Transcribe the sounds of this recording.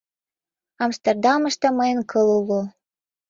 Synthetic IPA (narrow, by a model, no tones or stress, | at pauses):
ɑmst̪erd̪ɑmə̆ʃt̪ɤməjənkʰɤlulo